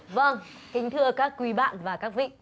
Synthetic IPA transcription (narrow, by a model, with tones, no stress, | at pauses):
və˧ŋ | kï˧ŋ̟t̪ʰɨ˧əkaː˦˥kːwi˨˦ɓa̰ː˧˨nvaː˨˩kaː˦˥k̚vḭ˧˨